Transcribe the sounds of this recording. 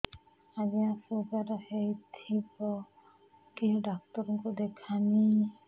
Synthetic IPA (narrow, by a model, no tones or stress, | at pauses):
ad͡ʒiasuɡaɾɔhejt̪ʰibɔ | kiɦɖak̚t̪ɔɾɔŋkud̪ɛkʰani